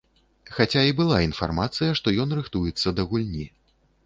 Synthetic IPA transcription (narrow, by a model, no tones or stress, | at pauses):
xat͡sʲaibɨlˠainfa̰rmat̪sɨjɐʂt̪ɔjɔnrɨxt̪ujɛt̪sːɐd̪ɐɣulʲnʲi